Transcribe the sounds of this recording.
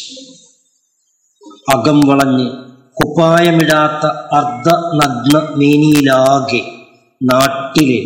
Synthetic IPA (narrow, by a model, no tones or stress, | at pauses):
ɐɡɐmʋiɭɐɲːɨ | kupaːjɐmiɽaːt̪ːɐɐrd̪ʱɐnɐɡnɐmeːnijilaːɣe | naːʈːile